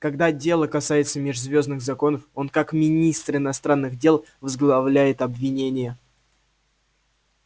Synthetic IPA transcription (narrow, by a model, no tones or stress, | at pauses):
kɐɡd̪adʲe̞lˠəkɐsajɪt̪səmʲɪʐzvʲo̞znɨɣzɐko̞nəfo̞nkakmʲɪnʲist̪rɪnɐst̪ɾanːɨɣdʲe̞lˠvəzɡlˠɐvlʲæjɪt̪ɐbvʲɪnʲenʲɪjə